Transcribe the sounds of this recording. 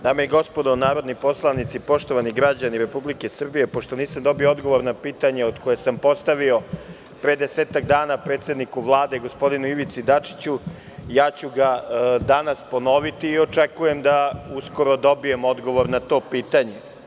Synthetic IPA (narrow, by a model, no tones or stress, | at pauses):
d̪aːmejeɡo̞spod̪onaːɾo̞d̪nipo̞slˠanit̪sipo̞ʃt̪o̞ʋaniɡɾad͡ʑaniɾe̞publike̞sr̩bije̞po̞ʃt̪o̞niːsamd̪o̞biood̪ɡo̞ʋo̞ɾnapiːt̪aɲeod̪kojesampo̞st̪aʋio̞ | pɾeed̪eseːt̪akd̪aːnapɾet̪se̞d̪nikuʋlˠaːd̪eɡo̞spo̞d̪inuiʋit̪sid̪at͡ʂi̥t͡ɕu | jaːt͡ɕuɡad̪anaspono̞ʋit̪iːo̞t͡ʂekuje̞md̪auskoɾod̪o̞bije̞mo̞d̪ɡo̞ʋo̞ɾnat̪o̞ːpiːt̪aɲe̞